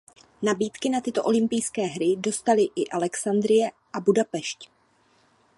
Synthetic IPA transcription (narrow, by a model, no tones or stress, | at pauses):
nabiːt̪kɪnat̪ɪt̪o̞ʔo̞lɪmpɪjskɛːɦɾɪdo̞st̪alɪʔɪʔalɛksand̪ɾɪjɛ | ʔabudapɛʃc